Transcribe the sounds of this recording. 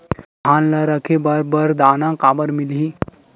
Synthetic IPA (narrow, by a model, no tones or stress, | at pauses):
ɦanləɾəkʰebəɾbəɾd̪aːnãkaːbəɾmilɦi